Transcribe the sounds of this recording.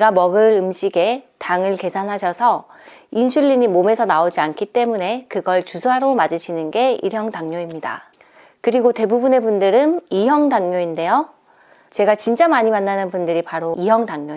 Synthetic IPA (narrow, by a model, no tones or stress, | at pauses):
ɡamʌɡɯɾɯmɕʰiɡe̞taŋɯɭke̞sʰanɦaɕʰʌsʰʌ | inɕʰuʎːiɲimome̞sʰʌnaod͡ʑiankʰit͈e̞mune̞kɯɡʌɭt͡ɕusʰaɾomad͡ʑɯɕʰinɯnɡe̞ḭɾjʌŋtaŋɲoimɲida̰ | kɯɾiɡote̞bubune̞bundɯɾɯnijʌŋdaŋɲoinde̞jo | t͡ɕe̞ɡat͡ɕint͡ɕ͈amaɲimanːanɯnpundɯɾipaɾoijʌŋtaŋɲo